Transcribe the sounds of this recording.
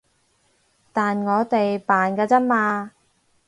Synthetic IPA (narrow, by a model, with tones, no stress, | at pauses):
t̪aː˨nŋɔː˨˧t̪e˨jpaː˨˩nkaː˧t͡sɐ˥mmaː˧